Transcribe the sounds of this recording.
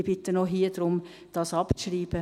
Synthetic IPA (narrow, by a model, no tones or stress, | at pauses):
b̥ɪt̪ənoɦiːd̥̪ɾʊm | d̥ɑsɑpʃriːb̥ə